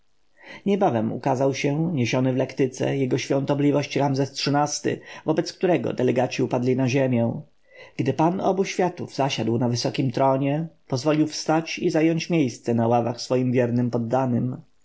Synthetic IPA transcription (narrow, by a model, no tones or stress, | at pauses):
ɲɛbavɛmṵkazawɕɛɲeɕɔnɘvlɛkt̪ɘt̪sɛ̰jɛɡɔɕfʲjɔ̃nt̪ɔblʲivɔɕt͡ɕɾamzɛstʂɘnast̪ɘ̰vɔbɛt̪sk̚t̪uɾɛɡɔ̰d̪ɛlɛɡat͡ɕiupad̪lʲinaʑɛmʲjɛ̃ | ɡ̥d̪ɘpanɔ̰buɕfʲjat̪uvz̥aɕad̪wnavɘsɔkʲimt̪ɾɔɲɛpɔzvɔlʲiwfst̪at͡ɕizajɔɲt͡ɕmʲjejst̪sɛnawavaxsfɔjimvʲjɛɾnɘmpɔd̪ːanɘm